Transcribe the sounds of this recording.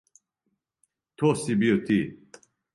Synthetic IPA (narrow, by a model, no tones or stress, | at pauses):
t̪ʰosibiot̪i